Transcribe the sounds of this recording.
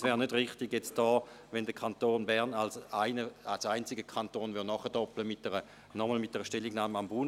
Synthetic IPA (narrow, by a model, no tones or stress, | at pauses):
svɛːʁnødʁɪχtɪɡjɛt͡sd̥ɔː | vɛndəkʰantoːnbɛɐʁnalsaɪnəalsaɪnt͡sɪɡəkʰantoːnvɪnɔχədɔpləmɪt̚d̥ɛʁə | nɔməlmɪt̚d̥ɛʁəʃtɛlːiɡnaːməambuːn